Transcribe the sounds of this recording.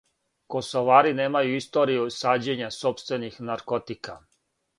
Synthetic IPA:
ko̞soʋaːɾineːmajuist̪o̞ːɾijusaːd͡ʑe̞ɲaso̞pst̪ʋe̞nixnaɾkot̪ika

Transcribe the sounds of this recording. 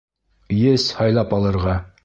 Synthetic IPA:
jɘshɒjlˠɑpɑlˠɤ̆ɾʁɑ

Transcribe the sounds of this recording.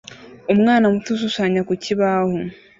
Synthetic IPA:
omŋaːnamutus̬usaːɲakuciβaho

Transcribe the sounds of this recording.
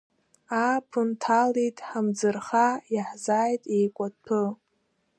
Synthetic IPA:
apʰɨntʰalitʼħamd͡zɨrχajaħzaːjtʼejkʷʼadpʰɨ

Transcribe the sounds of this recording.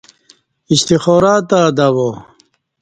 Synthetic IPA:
iɕt̪ixoːɾaːt̪aːd̪awo

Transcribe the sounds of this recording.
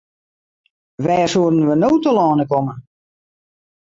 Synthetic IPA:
ʋɛːsuədən̩ʋənoːtəlɔːnəkomə

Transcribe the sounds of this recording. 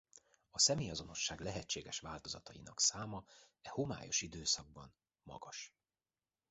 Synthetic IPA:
ɒsɛmeːjɒzo̞no̞ʃːaːɡlɛɦɛt͡ʃːeːɡɛʃʋaːlt̪o̞zɒt̪ɒjḭnɒksaːmɒ | ɛhoma̰ːjo̞̰ʃid̪øːsɒɡ̚bɒn | mɒ̰ɡɒʃ

